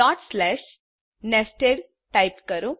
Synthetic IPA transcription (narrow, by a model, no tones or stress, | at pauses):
ɔʈslɛɕ | nesʈeɾ | ʈajpkəɾũ